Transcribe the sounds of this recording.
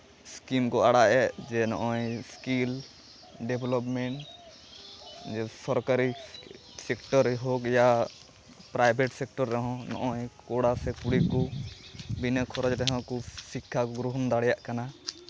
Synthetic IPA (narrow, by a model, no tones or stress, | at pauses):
skimkɔaɽaʔɛd͡ʒɛnɔʔɔ̃jskil | ɖɛbʱlɔpmɛɳʈ | d͡ʒɛsɔɾkaɾi | sɛkʈɔɾɦokja | pɾajbʱɛʈsɛk̚ʈɔɾːɔɦɔ̃nɔ̰ʔɔjkɔɽasɛkuɽikɔ | binəkʰɔɾɔd͡ʒɾɛɦɔ̃kɔsikʰːakɔɡɾuɦɔnd̪aɽɛjaʔkana